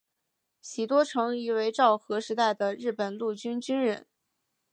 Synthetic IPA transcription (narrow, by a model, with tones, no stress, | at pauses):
ɕi˨˩t̪wɔ˥ʈ͡ʂʰɤ˧˥ŋi˧˥we˧˥ɪʈ͡ʂɑ˥˩ʊxɤ˧˥ʂɻ̩˧˥t̪a˥˩ɪd̪ə˩ɻɻ̩˥˩pə˨˩nlu˥˩t͡ɕy˥nt͡ɕy˥nɻə˧˥n